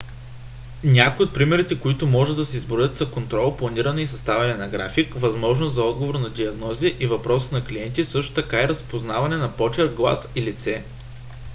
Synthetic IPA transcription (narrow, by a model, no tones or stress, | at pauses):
nʲakojot̪̚pɾimɛɾit̪ɛkoit̪ʊmɔʒɛd̪ɐsɛizbɾojət̪sɐkont̪ɾɔlˠplˠɐniɾɐnɛisɐst̪avɛnɛnɐɡɾa̰fikvɐzmɔʒnozɐɔd̪ɡovoɾnɐd̪iɐɡnɔziʔivɐpɾɔsə̥nɐkliɛnt̪isɤʃt̪o̥t̪ɐkaɛɾɐspoznavɐnɛnɐpɔt͡ʃɛɾɡlˠa̰silit̪sɛ